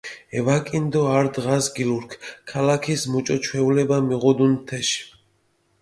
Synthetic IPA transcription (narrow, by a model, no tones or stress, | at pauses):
ɛvakʼind̪ɔaɾd̪ʁasɡiluɾkʰkʰalakʰismut͡ʃʼɔt͡ʃʰwɛulɛbamiʁɔd̪unt̪ʰɛʃ